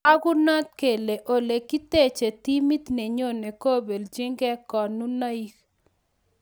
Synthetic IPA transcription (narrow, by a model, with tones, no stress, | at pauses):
a˦ɡʊ˦nɔ˦t̪̚ke˨le˨ʔo˨le˨kːi˦te˦t͡ʃe˨ti˦mi˦t̪ne˨ɲo˦˨ne˨ko˦be˨ld͡ʒɪ˦ŋɡɛ˦kɔ˨nu˦na˦i˦k